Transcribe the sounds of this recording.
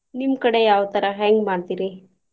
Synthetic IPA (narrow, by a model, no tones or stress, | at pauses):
nimkɐɽejaːʋt̪ɐɾaɦɛːŋɡmaːɽt̪iɾi